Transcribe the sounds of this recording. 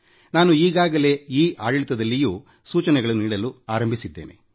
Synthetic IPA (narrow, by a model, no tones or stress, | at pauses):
naːnuiːɡaːɡɐle̞iːʔaːɽɐɭit̪ɐd̪ɐlːijuː | suːt͡ʃɐnɛɡɐɭuniːɽɐluaːɾɐmbʱisid̪ːe̞̰ːne̞̰